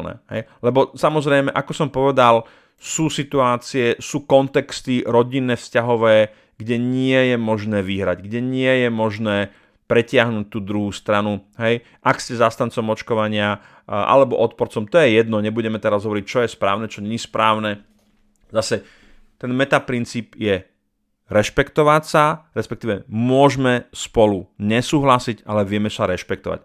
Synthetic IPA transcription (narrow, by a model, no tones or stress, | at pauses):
nɛ̰ɦɛ̰jlɛbɔsamɔzɾɛjmɛʔakɔsɔmpɔʋɛd̪al | suːsit̪uaːt͡siɛsuːkɔnt̪ɛkst̪iɾɔɟinːɛːfscaɦɔʋɛː | ɡɟɛɲɪɛjɛmɔʒnɛːʋiɦɾaɟɡɟɛɲɪɛjɛmɔʒnɛː | pɾɛcɪaɦnuːc̚t̪uːd̪ɾuɦuːst̪ɾanuɦɛj | ʔakscɛzast̪ant͡sɔmɔt͡ʃkɔʋaɲɪa | ʔa̰lɛbɔʔɔt̪pɔɾt͡sɔmt̪ɔjɛjɛd̪nɔɲɛbuɟɛmɛt̪ɛɾazɦɔʋɔɾic̚t͡ʃɔjɛspɾaːʊnɛt͡ʃɔɲɛɲispɾaːʊnɛ | zasɛ | t̪ɛnmɛt̪apɾint͡siːpjɛ | ɾɛʃpɛkt̪ɔʋacsaɾɛspɛkt̪iːʋɛmʊɔʒmɛspɔluɲɛsuːɦlasiɟalɛʋɪɛmɛsaɾɛʃpɛk̚t̪ɔʋa̰c